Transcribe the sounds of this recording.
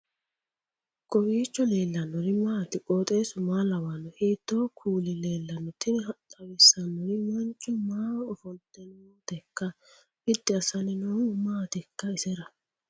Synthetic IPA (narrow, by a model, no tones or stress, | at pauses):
kʼɔwiːt͡ʃːɔle̞ːlːɐnːɔɾɪmaːt̪ɪkʼoːt̪ʼe̞ːsʊmaːlɐwanɔheːt̪ːoːkʰuːlɪle̞ːlːɐnːɔt̪ʰɪnɪɦɐt̪ʼːɐwɪsːɐnːɔɾɪmɐnt͡ʃʼːɔmaːɔfɔnt̪ːɛnmoːt̪ɛkːɐ | ɪd̪ːɪɐsɐnɪnoːmaːt̪ɛkːɐɪsɛɾɐ